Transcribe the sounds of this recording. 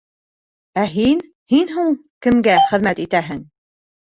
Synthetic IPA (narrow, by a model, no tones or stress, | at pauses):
æɦin | hinɦuɴ | kɘ̆mɡæχɘ̆ðmæt̪it̪æɦɘŋ